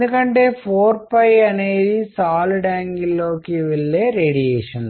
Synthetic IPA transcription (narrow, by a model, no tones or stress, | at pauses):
nɨkɐɳɖefoːrpɐjɐneːðisaːlɨɖaːŋɡilːoːkːiʋilːeɾeːɽijeːʂɐn